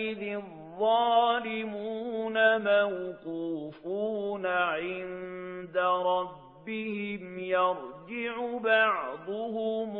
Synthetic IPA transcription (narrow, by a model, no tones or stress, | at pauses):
ɪðɪ | ðˤːɑːlɪmuːnamawkuːfuːnaʕɪnd̪aɾˤɑbːɪhɪmjɑɾˤd͡ʒɪʕʊbɑʕd̪ˤʊhʊm